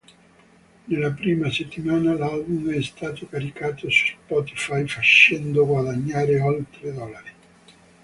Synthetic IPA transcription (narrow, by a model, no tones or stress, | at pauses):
nelapɾiːmaset̪ːimaːnalawbuŋɛst̪aːt̪okaɾikaːt̪osu̥spɔt̪i̥fajfat͡ʃɛnd̪oɡwad̪aɲːaːɾeolt̪ɾed̪ɔːlaɾi